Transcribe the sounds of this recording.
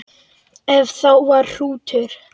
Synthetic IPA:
ɛvθawvaɾr̥uːt̪ʰʏɾ̥

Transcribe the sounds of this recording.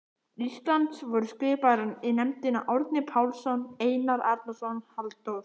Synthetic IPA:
ist̪lant̪svɔɾʏskvɪːpaɾɪninɛmt̪ɪna̰ʔɔɾt̪nɪpʰaːwlsɔneːjnaɾaɾt̪nasɔnhalt̪owɾ

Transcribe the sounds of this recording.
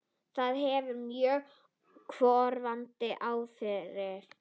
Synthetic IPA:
θaðɦɛvʏɾmjœː | kʰvɔːɾvant̪ɪʔaːwfɪɾɪɾ̥

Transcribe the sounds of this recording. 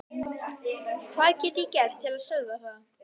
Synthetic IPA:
kʰvaːðcɛːt̪icɛr̥t̪t̪ʰːɪlaðsœːɣðaθaða

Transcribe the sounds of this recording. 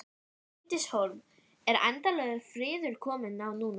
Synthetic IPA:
t̪ɪshowɾm | ɛɾa̰jnt̪alœɣʏfɾɪːðʏɾ̥kʰɔːmɪnawnuːn

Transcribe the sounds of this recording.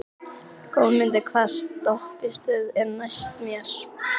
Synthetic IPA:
kʰowmɪnt̪ɪkʰvast̪ːɔhpɪst̪ɪðɛɾnajst̪mjɛɾ̥

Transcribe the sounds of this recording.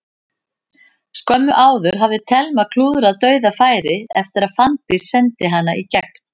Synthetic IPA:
skœmːʏʔaːwðʏɾ̥ɦavðɪt̪ʰɛlmakʰluːðʏɾaðt̪œːɥðafaːjɾɪɛft̪ɪɾaðfant̪ɪsɛnt̪ɪɦanːaʔicɛk̚n̥

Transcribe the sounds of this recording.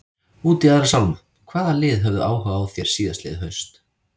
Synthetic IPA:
uːt̪iaðɾasawma | kʰv̥aːðalɪːðɦœvðʏʔaːwhaːvawθjɛɾ̥siːðaslḛðhœɥst̪

